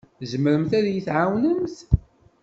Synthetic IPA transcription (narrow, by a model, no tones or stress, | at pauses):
zəməɾəmθæðjəθʕawnənθ